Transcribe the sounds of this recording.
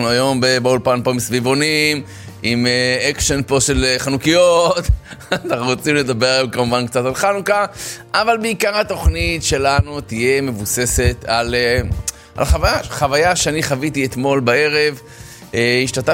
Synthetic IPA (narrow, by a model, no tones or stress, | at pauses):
nuajo̞mbebeulpanpo̞imsvivo̞nim | imeekʃenpo̞ʃe̞leχanukijot̪anaχnuʁot͡simled̪abe̞ʁajomkamuvankt͡satalχanukaʔavalbeikaʁhat̪o̞χnitʃe̞lanut̪ije̞me̞vuse̞se̞t̪ale | ʔa̰lχavajaχavajaʃeaniχavitiet̪mo̞lbae̞ʁe̞v | eiʃtata